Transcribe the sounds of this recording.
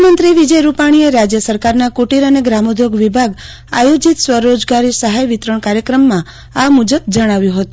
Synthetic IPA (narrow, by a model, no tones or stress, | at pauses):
mənt̪ɾiʋid͡ʒəjɾupaɽ̃ieɾad͡ʒjəsəɾkaɾnakuʈiɾəneɡɾamud̪ʱjoɡʋibʱaɡ | a̰jod͡ʒit̪sʋəɾod͡ʒɡaɾisəɦajʋit̪ɾəɳkaɾjəkɾəmːã | amud͡ʒəb̚d͡ʒəɽ̃aʋjũɦət̪u